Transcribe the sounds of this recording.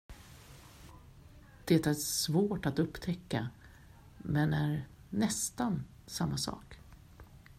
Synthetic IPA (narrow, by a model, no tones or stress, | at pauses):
d̪̥ɛt̪æɾsvoːʈat̪ɵpːt̪ʰɛkːa | mɛnæɾ | nɛst̪an | samːasɑ̰ːk